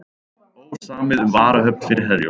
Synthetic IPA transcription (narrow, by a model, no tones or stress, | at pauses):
oːwsaːmɪðʏmvaːɾahœp̚n̥fɪɾɾɦɛðjɔ̰